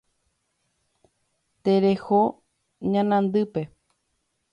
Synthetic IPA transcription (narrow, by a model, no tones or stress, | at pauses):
t̪eɾeho | ɲãnãnd̪ɨpe̞